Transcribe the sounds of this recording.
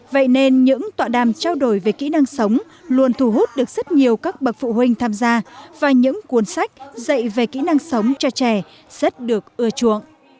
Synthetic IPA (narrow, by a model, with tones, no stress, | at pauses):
və̰˧˨jne˧nɲɨ̰˧˥ŋt̪wa̰ː˧˨ɗaː˨˩mt͡ɕaː˧wɗo˨˩jve˨˩kḭ˧˥na˧ŋsə˨˦wŋ͡m | lu˧ənt̪ʰu˨˩ɦu˦˥t̚ɗɨ˨˩ək̚z̥ə˦˥t̚ɲi˨˩əwkaː˦˥k̚ɓə˨˩t̚fṵ˧˨hwï˧ŋ̟t̪ʰaː˧mzaː˧vaː˨˩ɲɨ̰˧˥ŋku˨˦ənsa˦˥jk̟̚zə̰˧˨jve˨˩kḭ˧˥na˧ŋsə˨˦wŋ͡mt͡ɕɔ˧t͡ɕɛ˨˩ | z̥ə˦˥t̚ɗɨ˨˩ək̚ʔɨ˧ət͡ɕṵ˧˨əŋʔ